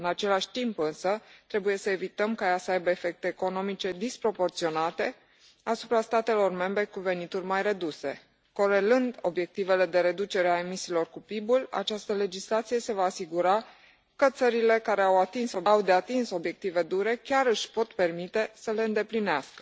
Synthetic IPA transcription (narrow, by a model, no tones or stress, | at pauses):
ɨnat͡ʃe̞laʃʲt̪impɨnsət̪ɾe̞buje̞səe̞vit̪əmkajasəajbəefe̞k̚t̪eːko̞no̞mit͡ʃe̞d̪ispɾo̞po̞rt̪sio̞nat̪e̞ | asupɾast̪at̪e̞lo̞rme̞mbɾe̞kuve̞nit̪urʲmajre̞d̪use̞ | ko̞ɾe̞lɨnd̪o̞bje̞k̚t̪ive̞le̞d̪e̞ɾe̞d̪ut͡ʃe̞ɾeae̞misiːlo̞rkupibula̰t͡ʃast̪əle̞d͡ʒislat̪sije̞se̞vaːsiɡuɾa | kət̪səɾile̞kaɾe̞awat̪insoawd̪e̞at̪inso̞bje̞k̚t̪ive̞d̪uɾe̞kʲaɾɨʃʲpo̞t̪pe̞rmit̪e̞səle̞ɨnd̪e̞plineaskə̥